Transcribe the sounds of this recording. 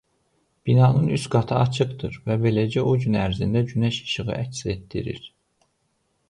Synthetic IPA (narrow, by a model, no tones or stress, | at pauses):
b̥inɑːnɯnysɡɑt̪ʰɯɑt͡ʃʰɯqd̪ɯɾvæbe̞led͡ʒæʔoɟynæɾzind̪æd͡ʒynæʃɯ̥ʃɯʁɯ̰ʔæcset̪d̪ḭɾḭɾ̥